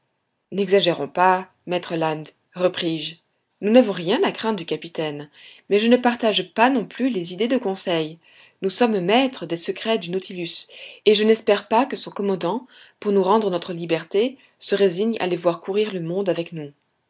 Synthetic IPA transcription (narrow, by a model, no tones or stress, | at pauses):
nɛɡzaʒeʁɔ̃pa | mɛt̪χəlãnd̪ | ʁəpχiʒ | nunavɔ̃ʁjɛ̃nakχɛ̃d̪d̪ykapit̪ɛnmɛʒənəpaʁt̪aʒpanɔ̃plylezid̪ed̪əkɔ̃sɛj | nusɔmmɛt̪χəd̪esəkχɛd̪ynot̪ʰilyseʒənɛspɛʁpakəsɔ̃kɔmɑ̃d̪ɑ̃ | puʁnuʁɑ̃d̪ʁənɔt̪χəlibɛʁt̪e | səʁeziɲa̰levwaʁkuʁiʁləmɔ̃d̪avɛknu